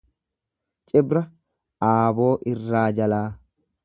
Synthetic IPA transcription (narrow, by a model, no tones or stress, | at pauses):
t͡ʃʼɪbɾɐ | ʔaːbo̞ːʔɪrːaːd͡ʒɐlaː